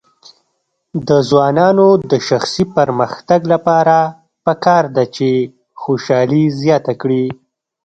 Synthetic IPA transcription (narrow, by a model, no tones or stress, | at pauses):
d̪əzwɑnɑnod̪əʃaxsipəɾməxt̪aɡlapɑɾa | pəkɑɾd̪at͡ʃe | xoʃɑlizjɑt̪akɽi